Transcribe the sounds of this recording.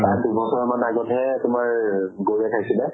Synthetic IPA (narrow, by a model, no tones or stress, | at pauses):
ajdubʱɔsɔɹmanaɡɔtɦɛtʊmaɹɡoɹiakʰajsilɛ